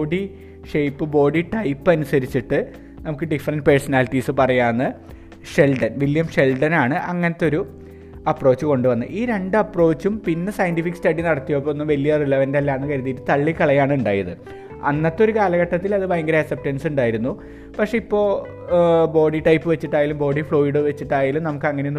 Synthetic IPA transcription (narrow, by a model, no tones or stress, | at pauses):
oːɖi | ʂejpːɨbo̞ːɖiʈɐjpːɨɐnusɐɾit͡ɕːiʈːɨ | nɐmukːɨɖifɐrɐnʈɨpersɐnaːliʈːiːsɨpɐrɐjaːnːɨ | ʂelɖɐnʋiljɐmʂe̞lɖɐnaːɳɨʔɐŋːɐnɐt̪ːo̞ɾu | ɐpro̞ːt͡ɕːɨko̞ɳɖɨʋɐnːɨʔiːɾe̞ɳɖɨɐpro̞ːt͡ɕːumpinːesɐjɐntifikːɨ̥stɐɽinɐɽɐt̪ːijɐpːoonːɨmʋɐlijɐrilɐʋɐndeɐlːaːnːɨkɐɾuðiːɨt̪ɐɭːikːɐɭɐjaːɳɨuɳɖaːjɐðɨ | ɐ̰nːɐt̪ːo̞ɾukaːlɐɣɐʈːɐt̪ːilɐðɨbɐjɐŋɡɐɾɐɐsɐp̚tɐnsuɳɖaːjiɾunːu | pɐkʂe̞ipːo̞ː | bo̞ːɖiʈɐjpːɨʋe̞t͡ɕːiʈːaːjaːlumbo̞ːɽifɭo̞ːiɽɨʋet͡ɕːiʈːaːjaːlumnɐmukːɨɐŋːɐneonː